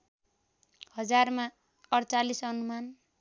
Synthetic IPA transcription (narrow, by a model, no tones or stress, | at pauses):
hʌd͡zarma | ʌɽt͡salisʌnuman